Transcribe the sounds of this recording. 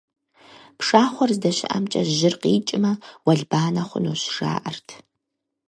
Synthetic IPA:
pʂaːχʷɔrzdɐɕɪ̰ʔɐ̰mt͡ʃʼɐʒɪrqiːt͡ʃʼɪmɐwɐɮbaːnɐχʷʊ̰noːɕʐ̥a̰ːʔɐrtʰ

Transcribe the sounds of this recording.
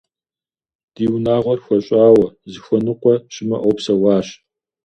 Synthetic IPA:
d̥iːwnaːʁʷɔrxʷɔɕʼaːwɐzɨxʷɔnɨqʷɔɕʼɪmɐʔowpsɐwɑːɕ

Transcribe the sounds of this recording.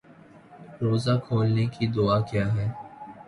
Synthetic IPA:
ɾoːzaːkʰoːlnekid̪ʊaːkjaːɦɛː

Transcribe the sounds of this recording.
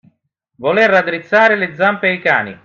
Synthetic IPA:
volerad̪ɾit̪sːaːɾɪlɪd̪zːampeajka̰ːnḭ

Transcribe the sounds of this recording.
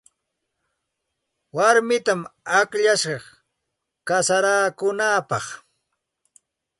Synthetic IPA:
waɾmɪt̪amakʎaʃɢɑχ | kasaɾaːkʊnaːpɑχ

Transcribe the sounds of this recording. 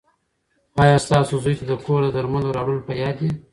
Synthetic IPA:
ɑjɑst̪ɑsozujt̪ad̪əkʰoɾd̪əd̪aɾmanoɾɑɽəlopajɑd̪i

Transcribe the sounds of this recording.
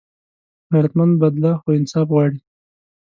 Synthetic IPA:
haɾat̪mand̪̚bad̪laxoɪnsɑfɣwɑɽi

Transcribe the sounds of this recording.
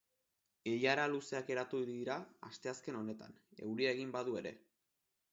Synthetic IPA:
ejaɾaluse̞ake̞ɾat̪uðiɾaast̪e̞aske̞no̞ne̞t̪a̰n | e̞̰wɾiaeɣ̞imbaðue̞ɾe̞̰

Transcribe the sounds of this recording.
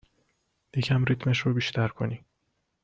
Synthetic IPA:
jecʰæmɾit̪ʰmeʃɾobiːʃt̪ʰæɾkʰo̞̰ni

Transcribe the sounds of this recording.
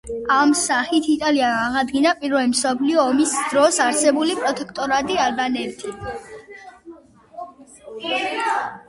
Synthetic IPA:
amsaχit̪ʰit̪ʼaliaːʁad̪ɡinapʼiɾvɛlimsɔpʰliɔːmisd̪̥ɾɔsaɾsɛbulipʼɾɔt̪ʼɛkʰt̪ʼɔɾad̪ialbanɛt̪ʰi

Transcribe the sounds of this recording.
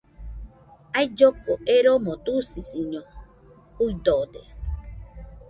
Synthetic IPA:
ajd͡ʒokoʔeɾomõt̪usisiɲõ | hud̪od̪e

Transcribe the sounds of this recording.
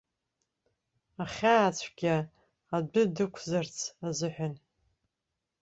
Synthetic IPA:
aχʲaːt͡ɕʷʰɡ̥ʲaː | dɨdɨkʷʰzart͡sʰazɨħʷᶣan

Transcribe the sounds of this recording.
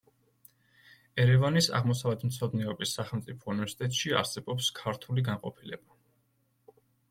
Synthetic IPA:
ɛɾɛvanisa̰ʁmɔsavɛt̪ʰm̩t̪sʰɔd̪nɛɔbisːaχɛlˠmt̪sʼipʰɔunivɛɾsi̥t̪ʼɛt̪ʼʃia̰ɾsɛbɔpskʰaɾt̪ʰuliɡanqʼɔpʰilɛb̥a

